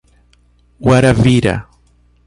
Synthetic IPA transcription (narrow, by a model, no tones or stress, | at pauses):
waɾaviɾɐ̰